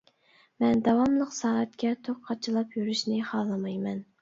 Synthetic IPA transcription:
mɛnd̪ɑwɑmlˠəqsɑːæt̪kʲɛt̪ʰoq̚qʰːɑt͡ʃʰɨlˠɑpjyɾyʃnɪχɑːlˠɨmɑjmɛn

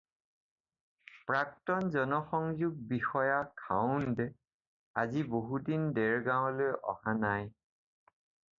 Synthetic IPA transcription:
pɹak̚tɔnzɔnɔxɔŋzuɡ̚bixɔjakʰa̰ʊndɛ | aziboɦudindɛɹɡãʊlojʔɔ̰hanaj

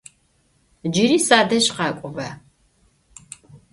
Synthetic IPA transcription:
d͡ʒiɾiːsaːd̪ɐɕqɑːkʷʼʊvɐ

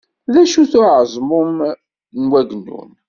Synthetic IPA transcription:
ðæʃuθʊʕəzˤmʊm | nwæɡənːṵn

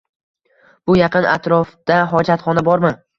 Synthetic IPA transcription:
b̥ʊjɑqɨna̰t̪ɾɒfd̪̥aɦɒd͡ʒat̪χɒnabɒɾmɪ

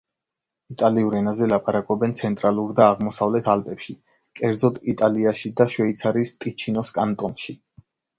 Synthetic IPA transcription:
it̪ʼaliuɾɛnazɛlapʼaɾakʼɔbɛnt̪sʰɛnt̪ʼɾalˠuɾd̪aːʁmɔsavlɛt̪ʰalpʼɛpʃi | kʼɛɾd̪zɔd̪it̪ʼaliaʃid̪aʃwɛit̪sʰaɾist̪ʼit͡ʃʰinɔskʼant̪ʼɔnʃi

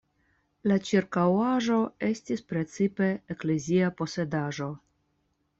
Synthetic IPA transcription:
lat͡ʃiɾkawaʒo̞e̞stispɾe̞t͡sipe̞ːkleziapo̞se̞daʒo̞

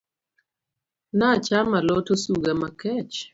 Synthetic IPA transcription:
nat͡ʃamalɔtosuɡɛmakɛt͡ʃ

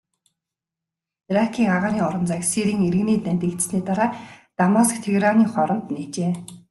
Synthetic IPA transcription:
rakʰiːŋaʁaːniːŋɔɾɞ̆nt͡saksiɾiːŋeɾ̆ɣɘ̆niːt̪næmʲt̪ĭːkt̪sniːt̪aɾaːt̪amɔskt̪ʰeɣɾaniːŋχɔɾɞ̆nt̪niːt͡ɕeː

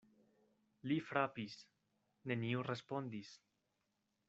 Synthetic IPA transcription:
lifɾapis | neniurespond̪is

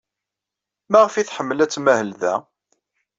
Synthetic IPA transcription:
mæʁfiθħəmːəlæt͡sːmæhəlðæ

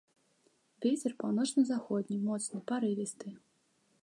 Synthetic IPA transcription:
vʲet͡sʲɛrpawnɔt͡ʂnɨzaxɔd̪ʲnʲimɔt̪snɨpaɾɨvʲist̪ɨ

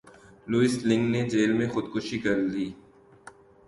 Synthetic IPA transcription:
luɪsʈlɪ̃ŋɡned͡ʒeːlmẽxʊd̪kʊʃikɐɾd̪iː

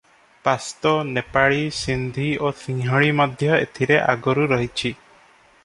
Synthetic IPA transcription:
past̪ɔnepaɭisind̪ʱiosʰiŋɦɔɭimɔd̪ʱjɔḛt̪ʰiɾeʔa̰ɡɔɾuɾɔɦit͡ʃʰi

